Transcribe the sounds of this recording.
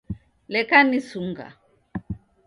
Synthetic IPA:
lɛkanisuŋɡa̰

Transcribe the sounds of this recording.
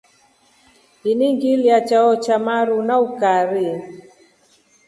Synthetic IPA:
iniŋɡiljat͡ʃaɔt͡ʃamaɾunaukaɾi

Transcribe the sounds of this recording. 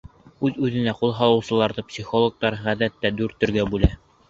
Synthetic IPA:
ʉðʉðɘ̆næqulˠɦɑlˠɤ̆wsɤ̆lˠɑɾðɤpsʲiχolˠok̚t̪ɑɾʁæðæt̪ːæd̪ʉɾt̪ɵ̆ɾɡæbʉlæ

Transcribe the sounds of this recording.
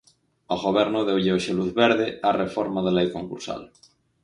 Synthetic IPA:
oɣoβ̞ɛɾnoðewʎeoʃeluθβeɾðearefoɾmaðelejkoŋkṵɾsa̰l

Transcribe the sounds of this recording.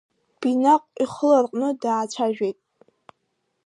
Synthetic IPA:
b̥inaqʼiχəlarqʼnɨdaːt͡ʃʷʰaʒᶣejtʼ

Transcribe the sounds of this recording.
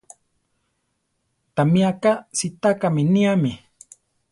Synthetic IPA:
t̪amiakasit̪akaminiami

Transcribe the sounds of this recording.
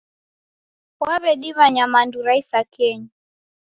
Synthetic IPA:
waβɛɗiβaɲamanduɾaisakʰɛɲu

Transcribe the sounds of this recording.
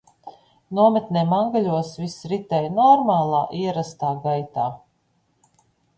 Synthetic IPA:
nuɔmɛt̪nʲɛːmaŋɡalʲuɔsvisɾit̪ɛjnɔɾmaːlˠaːʔiɛɾast̪aːɡajt̪aː

